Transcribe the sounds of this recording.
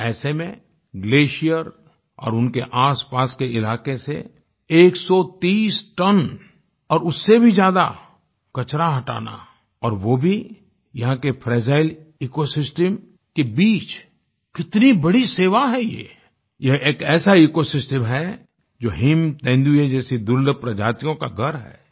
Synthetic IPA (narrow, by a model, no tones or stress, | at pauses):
ɛːsemẽ | ɡleːʃijəɾ | ɔ̰ːɾʊnkeʔaːspaːskeɪlaːkesḛ | eːksɔt̪iːsʈɐn | ɔːɾʊsːebʱid͡ʒjaːd̪a | kɐt͡ʃɾaɦɐʈa̰ːna̰ | ɔːɾʋoːbʱi | jɐɦãkepʰɾɛːd͡ʒaːɪliːkosɪsʈəm | kebiːt͡ʃ | kɪt̪nibɐɽiseːʋaɦɛjḛː | jeeːkɛːsaiːkosɪsʈəmɦɛ | d͡ʒoːɦɪmt̪ɛ̃ːnd̪ued͡ʒɛːsid̪ʊld̪əpɾɐd͡ʒaːt̪ijõkaɡʱɐɾɦɛ̰ː